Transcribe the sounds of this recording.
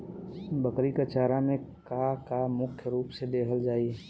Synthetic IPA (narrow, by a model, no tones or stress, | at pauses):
bəkɾikət͡ʃaːɾamẽkakamʊkʰjəɾuːpsed̪eːkʰəld͡ʒaːi